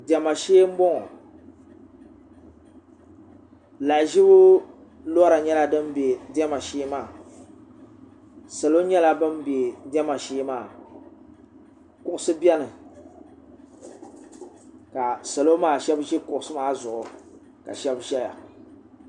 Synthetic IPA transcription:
dɛ˨ma˨ʃeː˦m̩˦bɔ˦ŋɔ˨ | la˨ʒi˦bʊ˦ | lɔ˦ɾa˨ɲɛ˦la˦dɨ˦m˦be˨dɛ˦ma˨ʃeː˦maː˦˨ | sa˨lo˦ɲɛ˦la˦bɨ˦mbe˨dɛ˦ma˨ʃeː˦maː˦˨ | kʊ˦ʔʊ˦sɨ˦bɛ˦nɨ˨ | ka˨sa˨lo˦maː˦˨ʃɛ˦bʒi˦kʊ˨ʔʊ˦sɨ˦maː˦zʊ˨ʔʊ˨ | ka̰˨ʃɛ˦bʒɛ˦ja̰˨

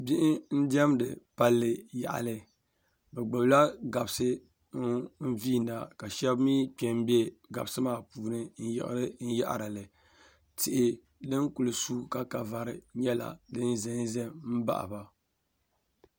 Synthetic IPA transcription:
bi˦ʔɪ˦n̩˦dɛ˦mdɨ̰˨pa˦lːɨ˨ja̰˨ʔa̰˨lɨ˨ | bɛ˨ɡ͡bɨ˨bla˦ɡa˨bsɨ˦ | n̩˦viː˦˨na˨ka˨ʃɛ˦bmiː˦k͡pɛ˨m˦bɛ˦ɡa̰˨bsɨ˦maː˦puː˨nɨ˦n̩˦jɪ̰˨ʔɾɨ˦n̩˦ja̰˦ʔa̰˨ɾa˨lɨ˨ | tɪ˨ʔɪ˦ | dɨ˦ŋ˦ku˨lɨ˨suː˦ka˦ka˨va˨ɾɨ˨ɲɛ˦la̰˨dɨ˦n˦zɛ˨n˦zɛ˦m̩˦ba̰˦ʔa̰˨ba˨

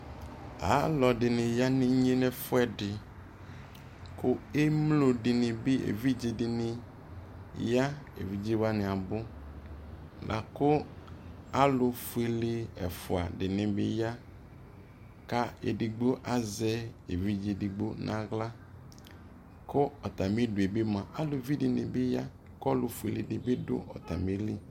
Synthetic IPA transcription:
a̰˨˦lɔ˨dɪ˨nɪ̃˨ja˦nɪ̃˦ɲe˦nɛ˦fʊ˦ɛ˦dɪ˨ | kʰʊ˦e˦mlo˨dɪ˨nɪ̃˨bɪ˦ḛ˨vi˦d͡ʒi˨dɪ˨nɪ̃˦ | ja˦ḛ˨vi˨d͡ʒi˦wa˦nɪ̃˨a˨bʊ˦ | lʔa̰˨kʊ˦ | a˦lʊ˦fʊ˦e˦lɪ˦ɛ̰˨fʊ˨a̰˨dɪ˨nɪ̃˨bɪ̰˦ja˦ | ka˦ḛ˨di˨ɡ͡bo˦ʔa˦zɛ˦e˨vi˦d͡ʒi˨di˨ɡ͡bo˦nʔã̰˦ɣla˦ | kʊ˦ɔ˨t̪a˨mɪ˦dʊ˨e˨bɪ˦mã˨ʔa˦lʊ˨˦vi˦dɪ˨nɪ̰˨bɪ˦ja˦ | kɔ˦lʊ˨fʊ˨e˨lɪ˨dɪ˨bɪ˦dʊ̰˦ɔ̰˨ta˨me˨li˦

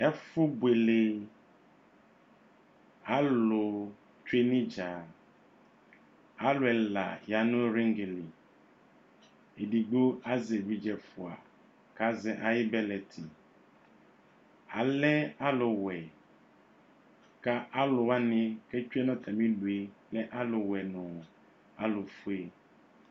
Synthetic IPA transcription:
ɛ˦fʊ˦bwe˨le˨ | a˦lʊ˨ | t͡ʃu˦e˦nɪ̃˦d͡ʒa˨ | a˨lʊ˨ɛ˨la̰˨ja˨nʊ̃˦ɾĩ˦ŋɡe˨lɪ˨ | e˨di˨ɡ͡bo˦a˦zɛ˨bi˨d͡ʒɛ˨fʊ˨a̰˨ | ka˦zɛ˨ʔa˨jɪ˦bɛ˦lɛ˨tʰɪ˨ | a˨lɛ˦a˦lʊ˨wɛ˨ | ka˦ʔa˦lʊ˨a˦nɪ̃˦kɛ˦t͡ʃᶣu˦ɛ˦nɔ̃˦t̪ʰa˨mĩ˦lu˨e˨lɛ˦ʔa˦lʊ˨wɛ˨nʊ̃˨ | a̰˨lʊ˨fu˦e˦

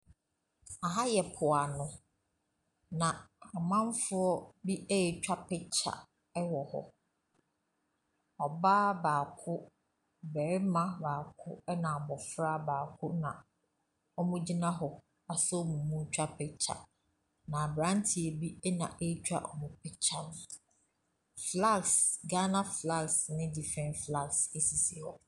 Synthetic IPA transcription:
a˨ɦa˦jɛ˨pʰʊ˨a˨nʊ̃˦ | nã˨a˨mã˦n˦fʊ˦ɔ˦bi˦ɛ˦ɛ˨t͡ɕᶣa˦pʰɪ˦t͡ɕʰa̰˨ | ɛ˦wɔ˨hɔ̰˦ | ɔ˨baː˦baː˨kʰʊ˦ | bɛː˨ɾmã˦baː˨kʰʊ˦ɛ˦nã˨bɔ˨fɾa˦baː˨kʰʊ˦nã˨ | ɔ˦mʊ̃˦d͡ʑi˦nã˦ɦɔ˨ | a˨sɔ˦mũ˨mũ˦t͡ɕᶣa˦pʰɪ˦t͡ɕʰa̰˨ | nã˨bɾã˦n˦tʰi˨e˨bi˦ɛ˦nã̰˨ʔe˦t͡ɕᶣa̰˦ʔɔ˨mʊ̃˨pʰɪ˦t͡ɕʰa˦nʊ̃˦ | fla˦˨ksɡa˦nã˦fla˦˨ksnɪ̃˦di˦fɾɛ̃˨nfla˦˨kse˨si˨si˨ɔ˨

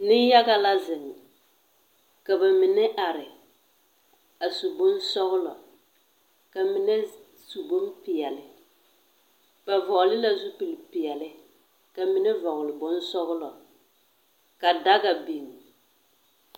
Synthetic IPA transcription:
nɪ˦n˦ja˦ɡa˦la˦zɪ˨m˨ | ka˨ba˨mi˨nɛ˦ʔa˨ɾɪ˨ | a˨su˨bʊ˦n˦sɔ˦ɣʊ˦lɔ˨ | ka˨mi˨nɛ˦ | su˨bo˦mpɪ˨jɛ˨lɪ˨ | ba˨vɔ˨lɪ˦la˦zu˦pi˨lɪ˨pi˨jɛ˨lɪ˦ | ka˨mi˨nɛ˦vɔ˨ɣʊ˨lɪ˨bʊ˦nsɔ˦ɣʊ˦lɔ˨ | ka˨da˦ɡa˨bi˨ŋ˨

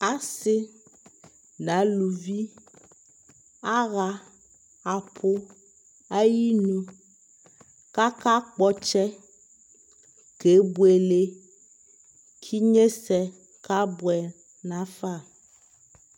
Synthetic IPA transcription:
a˦sɪ˦ | nã˨˦lu˨vi˦ | a˦ɣa˨ | a˨pʰo˦ | a˦ji˦nũ˦ | ka˦ka˦k͡pɔ˦t͡ʃɛ˦ | ke˨˦bu˦e˨le˨ | kʰi˦ɲẽ˦sɛ˨ | ka˦bwɛ˨ | nã˦fa˦˨

